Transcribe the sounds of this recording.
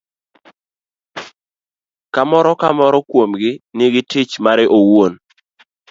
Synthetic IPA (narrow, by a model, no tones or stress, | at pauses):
kamɔɾɔkamɔɾɔkwomɡɪnɪɡɪtɪt͡ʃmaɾɪʔowon